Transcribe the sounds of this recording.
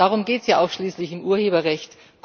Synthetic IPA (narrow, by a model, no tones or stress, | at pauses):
aːʁʊmɡeːtsjaːʔaʊfʃliːslɪçɪmʔuːɐheːbɐʁɛçt | k